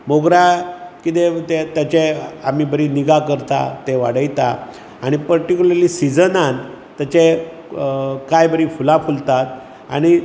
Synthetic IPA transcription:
moɡɾakit̪̬et̪et̪jat͡ɕeam̤iːbəɾiːniɡakəɾt̪a̰t̪eʋa̰ɽəjt̪a | aɽ̃ipəɾʈikʲuləɾlisid͡zənan | t̪ːjat͡ɕe | kajbəɾiːfulafult̪at̪̚ | a̰ɽ̃i

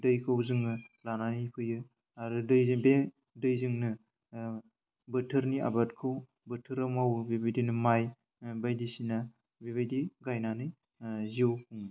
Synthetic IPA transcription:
dɯjkʰɯwzɯŋnɯlananipʰɯjɯ | aɾudɯjzbe | dɯjzɯŋnɯ | bɯtʰɯɾnia̰batkʰɯw | bɯtʰɯɾamawbibajdinɯmaj | bajdisina | biβajdiɡajnanɯj | ziowkʰuŋi

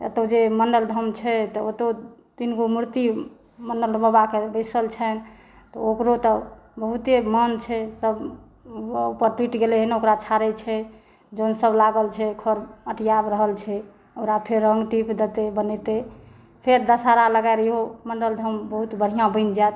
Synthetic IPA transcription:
ə̰t̪od͡ʒemənɖəld̪ʱəmt͡ʃʰɛt̪ɔət̪o | d̪̥inɡomuɾt̪i | mənɖəld̪məbakebəsəlt͡ʃʰɛn | t̪ɔokɾot̪ɔbəɦut̪emənt͡ʃʰɛsəb | upəɾʈwiʈɡeleɦeneokɾat͡ʃʰaɾɛt͡ʃʰɛ | d͡ʒonsəblaɡəlt͡ʃʰɛkʰəɾəʈijabɾəɦəlt͡ʃʰɛ | oɾapʰeɾːəŋɡʈipd̪et̪ebənet̪e | pʰeɾd̪əsaɾaləɡaɾiɦomənɖəld̪ʱəmbəɦut̪bəɽ̤ijãbə̃ɪnd͡ʒat̪

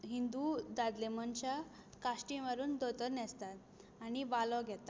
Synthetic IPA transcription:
ɦind̪ud̪ad̪lemənt͡ɕa | kaɕʈĩʋəɾuːnd̪ot̪əɾnɛst̪at̪ | aɽ̃ibalɔɡʱɛt̪a

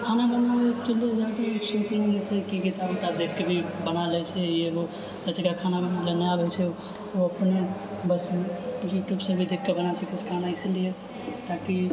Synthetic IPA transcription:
kʰanabənaet̪uld̪ed͡ʒant̪eisit͡ʃinɡet͡ʃʰɛkiɡit̪abet̪ad̪ekːebʱibənalɛt͡ʃʰɛeɦo | lət͡ʃekakʰanaləneabɛt͡ʃʰɛ | oəpnebəsjuʈjubsə̃bʱid̪ekːebənasəket͡ʃʰkʰanaislije | t̪aki

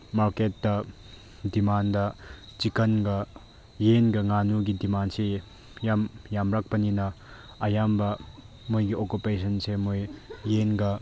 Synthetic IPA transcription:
maɾket̚dɐ | dimandɐt͡ʃikɐnɡɐ | jenɡɐŋanuɡidimanse | jamjamɾak̚pɐninɐ | ɐjambɐ | mojɡiʔokupesʰɐnsemojːenɡɐ

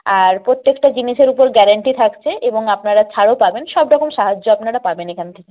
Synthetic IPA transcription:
aɾpɾot̪ːekʈad͡ʑiniʃeɾupoɾɡɛɾaɳʈit̪ʰakt͡ɕʰeʔeboŋapnaɽat͡ɕʰaɽopabenʃɔbɖɔkʰomʃaɦad͡ʑːoapnaɽapabenekʰant̪ʰeke

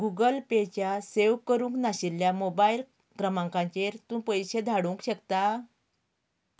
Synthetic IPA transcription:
ɡuɡəlpet͡ɕjaseʋkəɾũŋknaɕilːjamobail | kɾəmãŋkãɲt͡ɕeɾt̪ũːpəjɕed̪ʱaɽũŋkɕəkt̪a

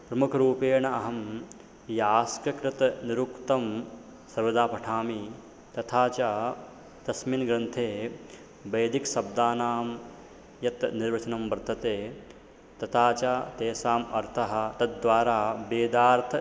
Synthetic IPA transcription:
pɾɐmukʰɐɾuːpeːɳɐɐɦɐm | jaːskɾɐkɾɪt̪ɐniɾukt̪ɐm | sɐɾʋɐd̪aːpɐʈʰaːmi | t̪ɐt̪ʰaːt͡ʃaː | d̪̥ɐsminɡɾɐnt̪ʰeː | bɐjd̪iksɐb̚d̪aːnaːm | jɐt̪niɾʋɐt͡ʃɐnɐmbɐɾt̪ʰɐt̪eː | t̪ɐt̪ʰaːt͡ʃaːt̪eːsaːmɐɾt̪ʰɐɦɐ̆t̪ɐt̪̚d̪ʋaːɾaːbeːd̪aːɾt̪ʰɐ

